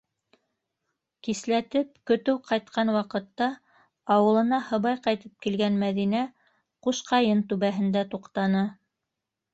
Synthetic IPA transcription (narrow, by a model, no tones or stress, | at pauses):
kislæt̪ɘp̚kɵ̆t̪ɘwqɑjt̪̚qɑnwɑqɤ̆t̪ːɑ | ɑwɤ̆lˠɤ̆nɑhɤ̆βɑjqɑjt̪ɤp̚kilɡænmæðinæ | quʃqɑjɤnt̪ʉβæɦɘ̆nd̪æt̪uqt̪ɑnɤ